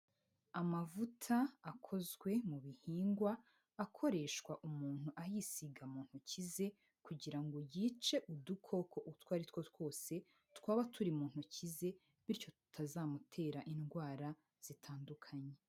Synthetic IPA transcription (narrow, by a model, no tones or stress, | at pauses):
amavutʰaːkʰo̞zɡwe̞muβihiːŋɡwaː | kʰo̞ɾe̞ʃkwaʔumuːn̥huʔajisiɡamuːn̥hucize̞ | kuɟiɾaŋɡojiːt͡ʃe̞ʔudukʰo̞kʰo̞ʔutwaːɾitwo̞two̞ːse̞ | tkwaːβatʰuɾimuːn̥hucize̞ | βiɾco̞tu̥tʰazaːmutʰe̞ːɾaʔinɡwaːɾa | z̥itʰaːndukʰaɲe